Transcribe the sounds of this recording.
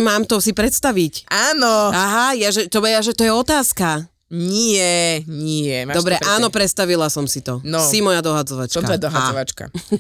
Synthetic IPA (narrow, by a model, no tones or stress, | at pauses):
maːmt̪ɔsipɾɛt̪st̪aʋicaːnɔaɦajaʒɛt̪ɔbajaʒɛt̪ɔjɛɔt̪aːska | ɲiɛɲɪiɛmadɔbɾɛʔaːnɔpɾɛt̪st̪aʋilasɔmsit̪ɔnɔsimɔjad̪ɔɦad͡zɔʋat͡ʃkɔt̪ɔjɛd̪ɔɦaɔʋat͡ʃka̰